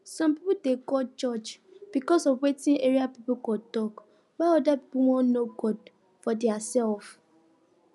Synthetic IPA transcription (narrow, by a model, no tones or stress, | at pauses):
sɔ̃mpipudekɔt͡ʃɔt͡ʃb̥ikɔsɔvwetĩneɹiapipukɔtɔk | waɔdapi̥puwɔ̃nnoɡɔd | fɔdɛasɛlf